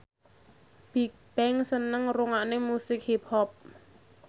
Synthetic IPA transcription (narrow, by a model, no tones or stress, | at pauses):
b̥i̤k̚b̥ɛŋsənəŋruŋaʔnemusɪk̚hip̚hɔp̚